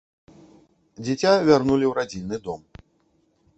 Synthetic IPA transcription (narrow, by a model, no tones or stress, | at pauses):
d͡zʲit͡sʲavʲarnulʲiwɾad͡zʲinʲːɨd̪ɔm